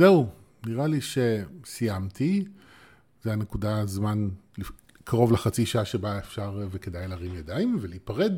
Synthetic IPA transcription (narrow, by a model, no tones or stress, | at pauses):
zeuniʁaliʃe̞sijamt̪ʰi | zeane̞kudazmanli | kʰaʁo̞vleχat͡siʃaaʃebaefʃaʁveke̞dajlaʁimjadaimveleipaʁed